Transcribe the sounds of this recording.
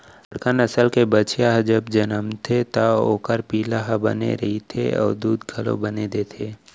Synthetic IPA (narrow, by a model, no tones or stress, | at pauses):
ɐɽkənəsəlkebət͡ʃjaɦd͡ʒəbd͡ʒɐnəmt̪ʰet̪aoːkəɾpiːlaɦbɐ̰nḛɾɐɦit̪ʰḛɔ̰ːɾd̪uːd̪ɡʱɐlõ̰bɐned̪eːt̪ʰeː